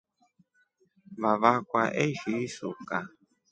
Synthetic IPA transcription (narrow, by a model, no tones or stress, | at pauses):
βaβakʷwaʔeʒisṵka